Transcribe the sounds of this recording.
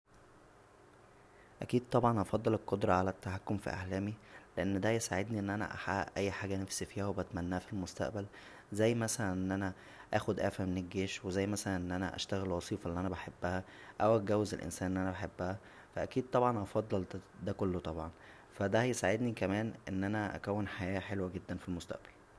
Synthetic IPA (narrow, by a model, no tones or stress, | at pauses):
ʔækiːd̪̚t̪ˤɑbʕɑnʔɑfɑd̪ˤːelelqod̪ɾˤɑʕalæt̪ːæħakːomfḭʔa̰ʕlæːmileʔenːd̪æjesaʕed̪niʔenːʔænæ̰ʔa̰ħaʔʔæjːħaːɡænæfsifiːhæwebæt̪mænːæːfilmost̪æ̰ʔbæl | zæjːmæsælænʔenːʔænæ | ʔæːxod̪ʔæ̰ːfæmenelɡːeːʃwezæjːmæsælænʔenːʔænæʔæ̰ʃt̪æɣelwɑsˤiːfɑʔenːiʔænæbaħebːæhæ | ʔæwʔæɡæwːezelʔḛnsæːnʔenːʔænæbaħebːæhæ | fæʔækiːd̪̚t̪ˤɑbʕɑnʔɑfɑd̪ˤːɑld̪ækolːot̪ˤɑbʕɑn | fæd̪æjesaʕed̪nikæmæːnʔenːʔænæʔæ̰kæwːenħajæːħelwæɡed̪ːænfilmost̪æ̰ʔb̥æl